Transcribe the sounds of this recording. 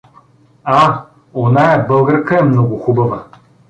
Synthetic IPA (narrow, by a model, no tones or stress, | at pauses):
a | onaɛbɤlˠɡəɾkəɛmnɔɡʊxubəvə